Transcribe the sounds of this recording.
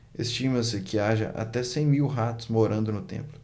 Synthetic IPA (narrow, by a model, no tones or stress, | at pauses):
est͡ʃĩmɐsɪkʰɪaʒɐ̰ʔa̰t̪ɛsẽj̃miwɦat̪ʊ̥zmoɾɐ̃nd̪ʊnʊt̪ḛ̃mplʊ